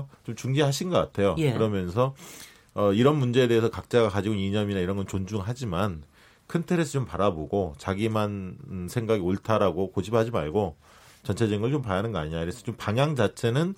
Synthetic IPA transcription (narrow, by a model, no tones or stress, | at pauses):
t͡ɕomt͡ɕuŋd͡ʑiɦaɕʰinɡʌk͈atʰe̞jojɯɾʌmjʌns̬ʰʌ | ʌiɾʌnmund͡ʑe̞ede̞esʰʌkak̚t͡ɕ͈aɡakad͡ʑiɡoiɲʌminaiɾʌnɡʌnt͡ɕond͡ʑuŋɦad͡ʑiman | kʰɯntʰeɾesʰʌt͡ɕompaɾaboɡot͡ɕaɡimansʰe̞ŋɡaɡioɭtʰaɾaɡokod͡ʑip̚had͡ʑima̰ɭɡo | t͡ɕʌnt͡ɕʰe̞d͡ʑiŋɡɯɭt͡ɕompajanɯnɡʌaɲiɲaiɾesʰʌt͡ɕompaŋjaŋd͡ʑat͡ɕʰe̞nɯn